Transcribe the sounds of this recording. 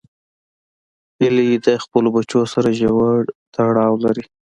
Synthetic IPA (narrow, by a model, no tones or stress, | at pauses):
ilejed̪ajxpəlobat͡ʃosaɾaʒawaɽt̪aɽɑwlaɾi